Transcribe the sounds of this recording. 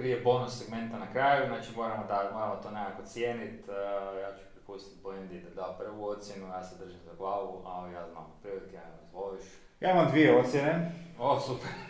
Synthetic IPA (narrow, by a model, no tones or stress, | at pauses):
pɾijebo̞nusːe̞ɡme̞nt̪anakɾaːjjuznaːt͡ʃimo̞ːɾamod̪amo̞ɾamot̪onekakot̪sjeːnit̪jaːt͡ʃu̥pɾipust̪i̥t̪̚blend̪id̪ad̪aopr̩ʋuot̪sʲjenujaːsed̪r̩ʒimzaɡlˠaːʋuʔa̰lijaːzna̰mpɾiʋit̪jazʋoliʃ | jaːimamd̪ʋijeot̪sʲjeneosupeɾ